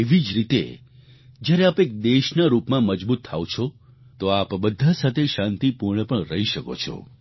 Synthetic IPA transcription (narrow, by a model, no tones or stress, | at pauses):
eʋid͡ʒɾit̪ḛ | d͡ʒjaɾeapek̚d̪eʃnaɾupmãməd͡ʒbut̪ʰːa̰õt͡ʃʰo | t̪oapbəd̪ʱasat̪ʰeʃãnt̪ipuɾɳəpəɳɾəɦiʃəko̰t͡ʃʰɔ̰